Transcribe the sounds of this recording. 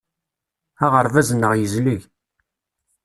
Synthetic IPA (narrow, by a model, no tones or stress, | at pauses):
aʁəɾvæzənːəʁjəzləʝ